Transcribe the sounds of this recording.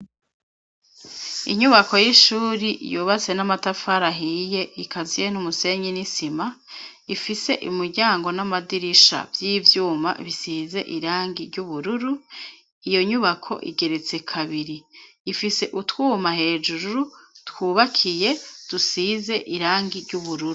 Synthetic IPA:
ḭɲuβako̞jiʃuːɾiʔjuːβat͡se̞namatafaɾaɦije̞ikʰazijenumuse̞ɲenisima | ifise̞ʔimuɾɟaːŋɡo̞namadiɾiʃa̰vjiːvjuːma̰βisiːze̞ʔiɾaːŋɡiɾɟuβuɾuɾu | ijo̞ɲuβakʰo̞̰ʔḭɡe̞ɾe̞t͡se̞kʰaβiɾiː | fise̞ʔutwuːmahe̞ːd͡ʒuɾuɾutwuːβakʰije̞d̥usize̞ʔiɾaːŋɡiɾɟuβuɾuɾu

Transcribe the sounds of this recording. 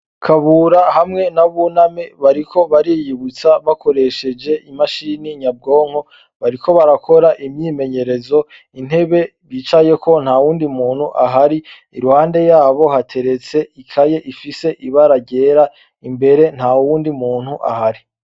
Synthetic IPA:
kʰaβuɾahamŋe̞naβunameβaɾikʰo̞βaɾijiβut͡saβako̞ɾe̞ʃe̞d͡ʒe̞ʔimaʃiniɲab̚ɡo̞ːŋ̥ho̞ | βaɾikʰo̞βaɾakʰo̞ɾaʔimɲiːme̞ɲe̞ɾe̞zo̞ | in̥he̞βe̞βiːt͡ʃaje̞ko̞n̥hawuːndimuːn̥huʔaɦaɾi | iɾuhaːnde̞jaːβo̞ɦatʰe̞ɾe̞t͡se̞ikʰaje̞ʔifise̞ʔiβaɾaɟe̞ːɾa | imbe̞ɾe̞n̥hauwuːndimuːnhuʔa̰haɾi

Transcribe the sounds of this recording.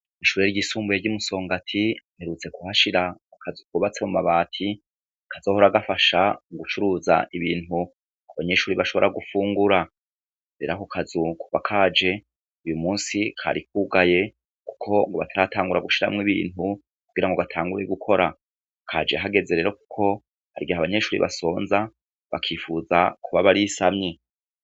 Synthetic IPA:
iʃuːɾeɾɟisuːmbujeɾɟumuso̞ːŋɡatʰimeɾut͡se̞kuhaʃiɾakʰazukuβat͡se̞mumaβaːtʰi | kʰazohoɾaɡafaʃaɡut͡ʃuɾuːza̰ʔiβiːnhu | aβaɲe̞ʃuːɾiβaʃo̞βo̞ɾaɡufuːŋɡuɾa | ɾeːɾakukʰazuku̥va̰kʰaːd͡ʒe̞ | ujumuːnsikʰa̰ɾik̚uːɡaje̞ | ku̥kʰo̞ŋɡo̞βatʰaɾatʰaːŋɡuɾaɡuʃiɾa̰mŋiβḭːnu | kuɡiɾaŋɡo̞ɡatʰaːŋɡuɾeɡukʰo̞ɾa | kʰa̰ːd͡ʒeɦaɡe̞ze̞ɾe̞ːɾo̞ku̥kʰo̞ | haɾiɡiaβaɲe̞ʃuːɾḭβʔa̰so̞ːnza | βakʰiːfuzakʰuβaβaɾisamɲe

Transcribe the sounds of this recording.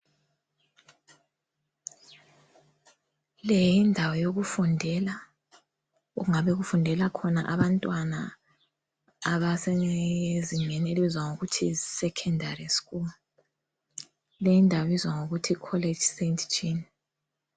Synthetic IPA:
lejindʱawɔjoɣufundʱɛla | ṵuŋaβɛɣufundʱɛlakʰɔna̰ʔaβantʼwana̰ | βasɛziŋɛneliβizwaŋoɣutʰisɛkʰɛndʱariskʼulu | lejindʱawɔizwaŋoɣutʰikʰɔle̥d͡ʒsentʰt͡ʃʰʼin

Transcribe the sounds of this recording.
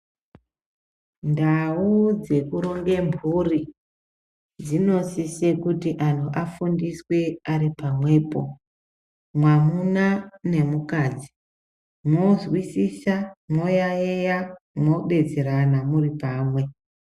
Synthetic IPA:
ndaud͡ze̞kuɾo̞ŋɡe̞mbʱuri | d͡zino̞sise̞kutiʔanuʔafundiswe̞aɾipamwe̞ːpo̞̰ | mwamunane̞mukaːd͡zi | mo̞zwisisamo̞jaeja | mwo̞ɓe̞d͡zeɾanamuripaːmwe̞

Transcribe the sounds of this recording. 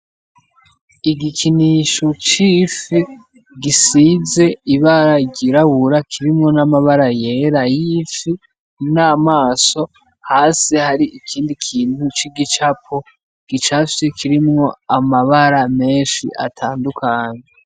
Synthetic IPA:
iɡikʰiniʃot͡ʃifi | ɡisize̞iβaɾaɟiɾaβuɾakʰiɾimŋo̞namaβaɾaje̞ːɾajifi | naːmaːso̞ | haːsihaɾiʔikʰiːndikʰiːnhut͡ʃiɡit͡ʃapʰo | ɡ̥it͡ʃafi̥sekʰiɾimŋo̞amaβaɾame̞ːnʃḭʔa̰tʰaːndukʰaːɲe

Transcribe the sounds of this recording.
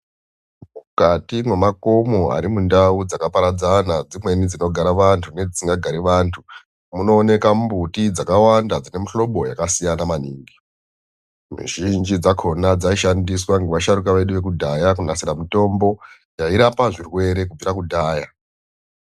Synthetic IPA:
mukatimwe̞mako̞mo̞a̰ɾimundaud͡zakapaɾad͡zanad͡zimwe̞nid͡zino̞ɡʱaɾaʋantʰune̞d͡zisiŋɡaɡʱaɾiʋantʰu | muno̞ːne̞kambutid͡zakawandad͡zine̞miɬo̞ɓo̞jakasijanamaniːŋɡi | mṵʒind͡ʒid͡zakʰo̞nad͡zaiʃandiswaŋɡeʋaʃaɾukaʋe̞ɗuʋe̞k̬udʱajakunasiɾamito̞mbo̞ | jaiɾapaʐirwe̞ɾe̞kub͡viɾakudʱaːja

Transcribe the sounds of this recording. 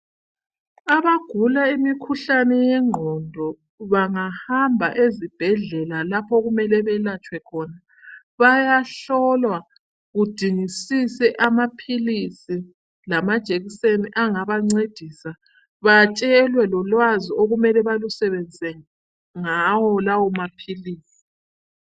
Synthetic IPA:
aβaɡ̥ʱulaimikʰuɬanɛjɛŋ͡ǃʱɔndʱɔ | βaŋahambʱa̰ʔezib̥ʱɛɮɛlalapʰɔɣumɛlɛβɛlat͡ʃʼwɛkʰɔna | βajaɬɔlwa | ɣud̥ʱiŋisisɛʔamapʰilisi | lamad̥ʒ̥ʱeɣiseniʔaŋaβaŋ͡ǀed̥ʱisa | βat͡ʃʼɛlwɛlɔlwazioɣumɛlɛβalusɛβɛnd͡zʱɛ | ŋawɔlawɔmapʰiliːsi̥

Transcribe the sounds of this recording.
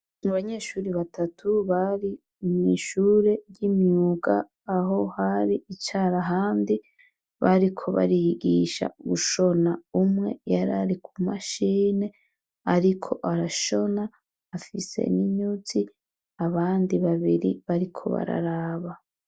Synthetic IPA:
maβaɲe̞ːʃuːɾiβatʰatʰuβaɾi | miʃuːɾe̞jimɲuːɡaː | ɦo̞haɾiit͡ʃaːɾaɦaːndi | βaɾikʰo̞βa̰ɾiɡiʃa̰βuʃo̞naumŋe̞jaɾaɾikʰumaʃiːne̞ | aɾikʰo̞ʔaɾaʃo̞naː | fise̞̰niɲuz̥i | aβaːndiβaβiɾḭβaɾikʰo̞̰βa̰ɾa̰ɾaːβa

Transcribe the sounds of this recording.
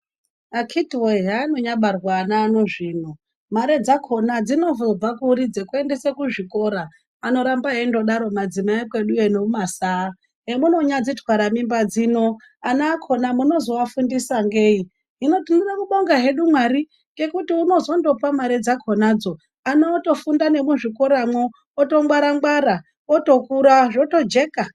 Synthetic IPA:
akʰitiweɦaːno̞ɲaɓarwaːnaːno̞ʐiːno | maɾe̞d͡zakʰo̞nad͡zino̞vub͡vakuɾid͡zekue̞nde̞sekuʐiko̞ɾaː | no̞ɾambaɦendo̞ɗaɾo̞mad͡zimaekwe̞ɗuenoumasaː | ɦemuno̞ɲad͡zitʰwaɾamimbad͡zino̞ | anaːkʰo̞namuno̞zo̞afundisaŋɡeːi | ɦino̞tunirakuɓo̞ŋɡaɦe̞ɗumwaɾi | kɡe̞kutiuno̞zo̞ndo̞pamaɾed͡zakʰonad͡zo̞ | anaoto̞fundane̞muʐiko̞ɾamwo | oto̞ŋwaɾaŋɡwaɾa | oto̞kuɾaʐo̞to̞d͡ʒe̞ka

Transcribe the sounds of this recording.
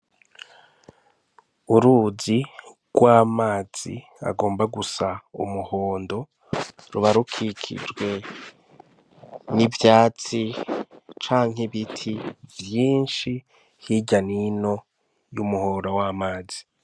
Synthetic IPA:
uɾuzi | ɡ̥waːmaːz̥ḭ | a̰ɡo̞ːmbaɡusaṵmuho̞ːndo̞ | ɾuβaɾukʰikʰḭd͡ʒɡwe̞ | nivjaːt͡si | t͡ʃaːŋɦiβitʰivjiːnʃi | hiɟanino̞ | jumuhoɾawaːmaːzi

